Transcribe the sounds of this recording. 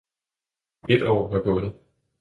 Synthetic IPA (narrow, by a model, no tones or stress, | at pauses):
e̝d̥ɒ̰ːʋɑ̈b̥ɔ̽ːnð̩ˠ